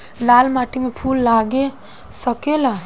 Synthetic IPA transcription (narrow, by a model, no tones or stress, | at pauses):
laːlmaːʈʰimẽpʰuːlːaːɡe | səkela